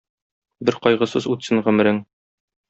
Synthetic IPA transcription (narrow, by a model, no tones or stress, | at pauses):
bɘɾqɒjʁɤ̆sɤzut̪sɤɴʁɵ̆mɘ̆ɾɘŋ